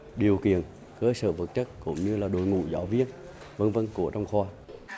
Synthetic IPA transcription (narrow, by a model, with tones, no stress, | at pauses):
ɗi˨˩əwkḭ˧˨ən | kəː˧sə̰ː˧˩və˨˩t̚t͡ɕə˦˥t̚kʊ̰˧˥ŋ͡mɲɨ˧laː˨˩ɗo˨˩jŋṵ˧˨zaː˧˦wvi˧ən | və˧nvə˧nku˧˩ət͡ɕa˧wŋ͡mxwɔː˧